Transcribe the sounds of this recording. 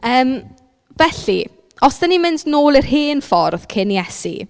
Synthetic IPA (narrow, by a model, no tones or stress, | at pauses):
əːm | vɛɬḭ | ɔsd̥ənimɪndnoːlˠirheːnfɔrð̥kʰɪnjɛsḭ